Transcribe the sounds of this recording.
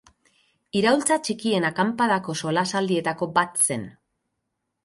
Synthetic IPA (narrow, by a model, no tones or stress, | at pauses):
iɾault͡sat͡ʃikie̞nakampaðako̞solasald̪ie̞t̪ako̞bat̪se̞n